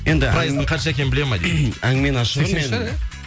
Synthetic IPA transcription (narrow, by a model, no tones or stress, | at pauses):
je̞nd̪ɪɾajɪzəqʰɑnʃaekʲe̞nɪbɪle̞mɑjd̪ḛæŋɡɪme̞nɑʃʁmen